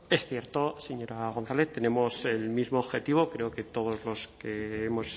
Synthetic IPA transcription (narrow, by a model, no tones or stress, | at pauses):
e̞sθjeɾt̪o̞se̞ɲo̞ɾaɣ̞o̞n̟θaleθt̪ːe̞ne̞mo̞se̞lmizmoːβxe̞t̪iβ̞o̞kɾe̞oke̞t̪o̞ð̞o̞zlo̞skeemo̞s